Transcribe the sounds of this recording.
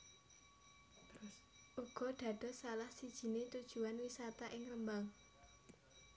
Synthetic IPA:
ʔuɡ̥ɔ̤ɖ̪̥ä̤ɖ̪̥ɔ̤salahsid̥ʒ̥i̤net̪ud̥ʒ̥ṳanwisat̪aʔɪŋrəmbaŋ

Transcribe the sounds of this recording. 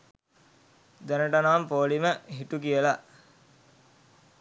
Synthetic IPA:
d̪ænəʈanaːmpoːliməɦiʈukijəlaʔ

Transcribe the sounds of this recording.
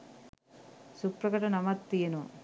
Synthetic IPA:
supɾɐkɐʈɐnɐmɐt̪ːijɐnu

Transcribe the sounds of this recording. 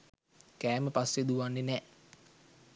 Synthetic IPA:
kɛməpast̪id̪uwanːinɛʔ

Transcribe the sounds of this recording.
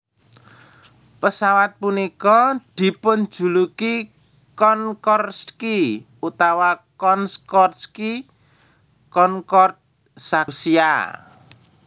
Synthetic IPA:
pəsawat̪̚punikɔd̪̥i̤pʊn̥d͡ʒ̥ṳluki | kɔnkɔrski | ut̪awakɔnskɔrski | kɔŋkɔrt̪̚ | sasia̰

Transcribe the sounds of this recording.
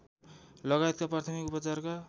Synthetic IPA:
lʌɣajt̪̚kaprart̪ʰʌmikupʌt͡sarka

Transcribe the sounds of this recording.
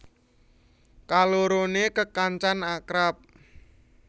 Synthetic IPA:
kaloɾonekəkaɲt͡ʃanakɾap̚

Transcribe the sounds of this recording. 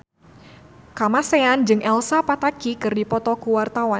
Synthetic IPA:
kamaseand͡ʒɨŋʔɛlsapat̪akikɨrdipɔt̪ɔkuwart̪awa

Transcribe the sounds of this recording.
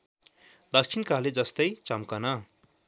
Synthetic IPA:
lʌkt͡sʰinkaled͡zʌst̪ʌjt͡sʌmkʌnʌ

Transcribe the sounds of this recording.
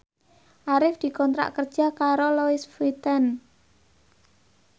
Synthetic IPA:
ʔaɾɪfd̪̥i̤kɔnt̪ɾa̰ʔkərd̥ʒ̥a̤kaɾoloɪsfit̪ən

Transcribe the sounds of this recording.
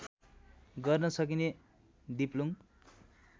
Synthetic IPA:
ɡʌrnʌsʌk̬ine | d̪iplum

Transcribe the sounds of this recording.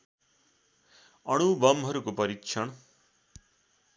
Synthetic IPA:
ʌɽ̃ubʌmɦʌɾukupʌɾikt͡ʃʰʌɽ̃

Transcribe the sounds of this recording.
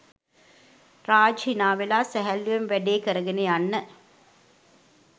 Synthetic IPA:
raːd͡ʒɦinaːʋelaːsæɦælːuʋemʋæɖeːkəɾəɡeneanːə

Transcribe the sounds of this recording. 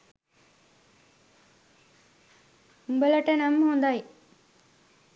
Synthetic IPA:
umbələʈənəmhond̪aj

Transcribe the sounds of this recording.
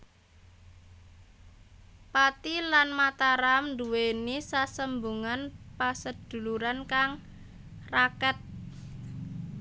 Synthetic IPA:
pat̪ilanmat̪aɾamɳd̪uwenisasəmbuŋanpasəd̪̥ṳluɾankaŋ | rakɛt̪̚

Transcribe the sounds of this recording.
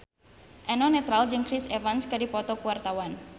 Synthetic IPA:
ʔɛnɔnet̪ɾald͡ʒɨŋkɾisefanskadipɔt̪ɔkuwart̪awan

